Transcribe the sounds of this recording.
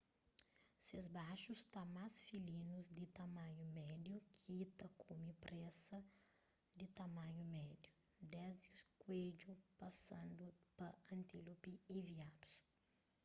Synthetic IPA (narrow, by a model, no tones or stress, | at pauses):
sezbaʃust̪amasfilĩnuzd̪it̪ɐmɐ̃ɲumɛd̪jukʰiit̪ɐkʰumipɾɛsɐ | d̪it̪ɐmɐ̃ɲumɛd̪ju | d̪ɛzd̪ikwed͡ʒupɐsɐ̃nd̪upɐɐ̃nt̪ilupiiviad̪u̥s